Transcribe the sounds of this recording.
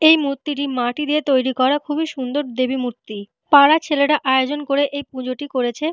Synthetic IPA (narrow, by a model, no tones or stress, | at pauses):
ejmut̪ːiʈ̬imaʈid̪iet̪ojɾikɔɾakʰubiʃund̪oɾd̪ebimut̪ːi | paɽat͡ɕʰeleʈaʔaeod͡ʑonkoɾeʔejpũd͡ʑoʈikoɾet͡ɕʰe